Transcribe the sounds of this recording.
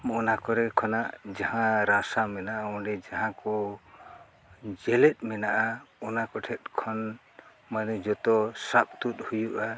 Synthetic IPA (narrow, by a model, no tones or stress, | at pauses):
mɔʔnakɔɾɛkʰɔnaʔd͡ʒahãɾasamɛnaʔaɔ̃ɖɛd͡ʒaɦãkɔ | d͡ʒɛlɛt̪̚ˀmɛnaʔaɔnakɔʈʰɛt̪̚kʰɔn | manɛd͡ʒɔt̪ɔsap̚t̪ut̪̚ˀhujuʔa